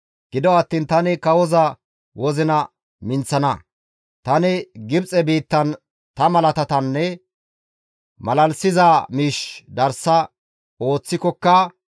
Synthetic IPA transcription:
ɡ̥ɪd̪ɔɐt̪ːiːnt̪ɐnɪkɐwɔzɐ | wɔzɪnɐ | mɪnt͡sːɐnɐ | t̪ɐnɪɡɪbt͡sʼɛbiːt̪ːɐn | t̪ɐmɐlɐt̪ɐt̪ɐnːɛ | mɐlɐlsɪzaːmiːʃd̪ɐɾsɐ | o̞ːt͡sːɪkɔkːɐ

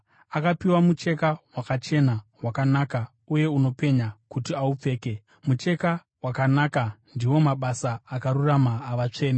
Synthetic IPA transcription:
akapiwamut͡ʃe̞kawakat͡ʃe̞nawakanaːka | uje̞uno̞pe̞ɲakutiaup͡fe̞ːke̞ | mut͡ʃe̞ka | wakanaːkandiwo̞maɓasaːkaɾuramaːʋat͡ʂe̞ːne

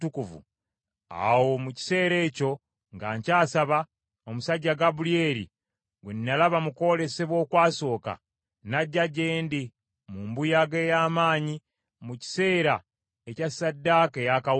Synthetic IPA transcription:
tukuvṵ | a̰wo̞muci̥se̞ːɾe̞ːco̞ | ŋɡaːɲcaːsaβa | o̞musaɟːaɡabulieːɾḭ | ɡwenːalaβamuko̞le̞se̞βwo̞ːkwaːso̞ːka̰ | naɟːaɟːe̞ːndi | muːmbujaɡe̞ːjaːmaːɲi | muci̥se̞ːɾa | ecasːadːaːke̞jaka

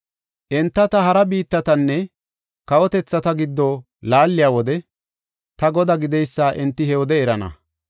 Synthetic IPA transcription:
ʔɛnt̪ːɐt̪ɐɦɐɾɐbiːt̪ːɐt̪ɐnːɛ | kɐwɔt̪ɛt͡sːɐt̪ɐɡɪd̪ːo | laːlːɪjaːwɔd̪ɛ | t̪ɐɡɔd̪ɐɡɪd̪ɛjsːaːʔɛnt̪ːɪhɛwɔd̪ɛɛɾɐnɐ̰

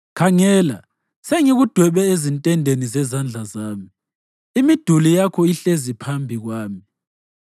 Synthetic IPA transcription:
kʰaŋɛːla | seŋiɣud̥ʱwɛβɛezintʼɛndʱenizɛzand͡ɮʱazaːmi | imid̥ʱulijakʰɔiɬezipʰambʱiɣwaːmi

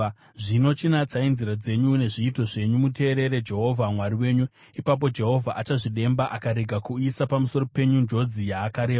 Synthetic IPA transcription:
ʐino̞t͡ʃinat͡sainziɾad͡ze̞ɲune̞ʐiːto̞ʐe̞ɲumute̞ːɾe̞ɾe̞d͡ʒe̞ɦo̞vʱamwaɾiwe̞ːɲu | ipap̬o̞d͡ʒe̞ɦo̞vʱaʔat͡ʃaʐiɗe̞mbaʔakaɾeɡʱakuisapamuso̞ro̞pe̞ɲund͡ʒo̞d͡zijaːkaɾe̞ː

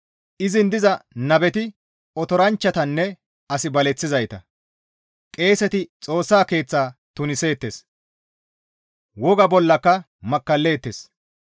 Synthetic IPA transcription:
ʔɪzɪnd̪ɪzɐnɐbɛt̪ɪ | ɔt̪ɔɾɐnt͡ʃːɐt̪ɐnːɛ | ɐsɪbɐlɛt͡sːɪzɐjt̪ɐ | kʼe̞ːsɛt̪ɪt͡sʼo̞ːsːaːke̞ːt͡sːaːt̪ʊnɪse̞ːt̪ːes | wɔɡɐbɔlːɐkːɐ | mɐkːɐlːe̞ːt̪ːes

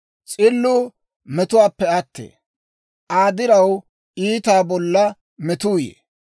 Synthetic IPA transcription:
t͡sʼɪlːʊ | mɛt̪ʊwaːpːɛɐt̪ːḛː | ʔaːd̪ɪɾɐw | iːt̪aːbɔlːɐ | mɛt̪uːjḛː

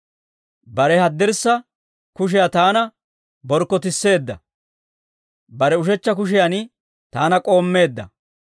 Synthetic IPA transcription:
bɐɾɛhɐd̪ːɛɾsːɐ | kʊʃ̬ɪjat̪aːnɐ | bɔɾkːɔt̪ɪsːe̞ːd̪ːɐ̰ | bɐɾɛʊʃɛt͡ʃːɐk̬ʊʃ̬ɪjan | t̪aːnɐkʼo̞ːmːe̞ːd̪ːɐ̰

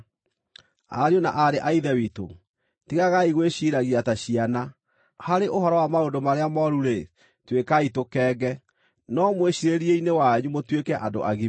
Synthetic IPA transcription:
a̰ɾiona̰ʔaɾeʔaiðɛwito̰ | tiɣaɣaiɣweɕiɾaɣiataɕiana | haɾeʔoɦɔɾɔwamaondomaɾeamɔɾuɾe | twekaitokɛːɡɛ | nɔmweɕiɾeɾiɛinewaɲumotwekɛʔado̰ʔaɣi

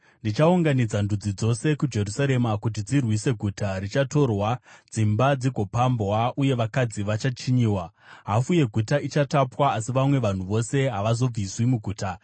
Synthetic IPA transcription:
ndit͡ʃauŋɡanid͡zandʱud͡zid͡zo̞se̞kud͡ʒe̞ɾusaɾe̞makut̬id͡zirwise̞ɡʱutʰaɾit͡ʃato̞rwad͡zimbad͡ziɡʱo̞pambwaʔuje̞ʋakad͡ziʋat͡ʃat͡ʃiɲiːwaɦafuje̞ɡʱutait͡ʃatapwaːsiʋamwe̞ʋan̤uʋo̞se̞ɦaʋazo̞b͡viswimuɡʱuːta

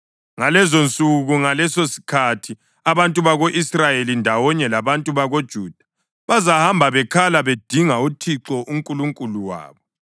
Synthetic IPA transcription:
ŋalɛzont͡sʼuɣuŋalɛsosi̥kʰatʰi | aβantʼuβaɣoʔisrajelindʱawɔɲɛlaβantʼuβaɣod̥ʒ̥ʱuːd̥ʱḁ | βazahambʱaβɛkʰalaβed̥ʱiŋautʰiǁɔʔuŋkʼuluŋkʼuluwa̰ːβɔ

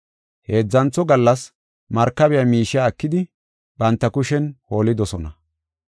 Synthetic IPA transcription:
he̞ːd͡zːɐnt͡sːɔɡɐlːɐs | mɐɾkːɐbɛjamiːʃɪjakːɪd̪ɪ | bɐnt̪ːɐkʊʃɛnho̞ːlɪd̪ɔsɔnɐ

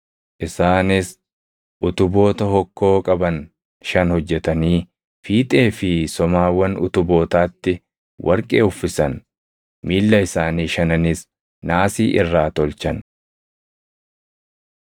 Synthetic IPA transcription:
ʔɪsaːnɪs | ʔʊt̪ʊbo̞ːt̪ɐhɔkːo̞ːkʼɐbɐn | ʃɐnhɔd͡ʒːɛt̪ɐniː | fiːt̪ʼe̞ːfɪsɔmaːwːɐnʊ̰t̪ʊbo̞ːt̪aːt̪ːɪ | wʔɐɾkʼe̞̰ːʊfːɪsɐn | miːlːɐɪsaːniːʃɐnɐnɪs | naːsiːʔɪrːaːt̪ɔlt͡ʃɐn

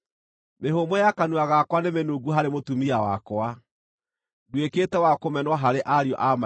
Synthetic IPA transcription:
meɦomɔjakanuaɣakwanemenuːɡuɦaɾemotumiawa̰kwa | dweketɛwakomɛnwaɦaɾeʔaɾjɔ̰ʔama

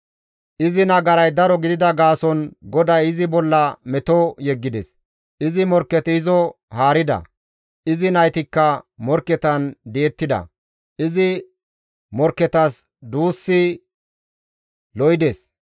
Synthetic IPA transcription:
ʔɪzɪnɐɡɐɾɐjd̪ɐɾɔɡɪd̪ɪd̪ɐɡaːsɔnɡɔd̪ɐjɪzɪbɔlːɐmɛt̪ɔjɛɡːɪd̪ɛs | ʔɪzɪmɔɾkːɛt̪ɪzɔ | haːɾɪd̪ɐ̰ | ʔɪzɪnɐjt̪ɪkːɐmɔɾkːɛt̪ɐnd̪eːt̪ːɪd̪ɐ̰ | ʔɪzɪ | mɔɾkːɛt̪ɐs | d̪uːsːɪ | lɔjd̪es

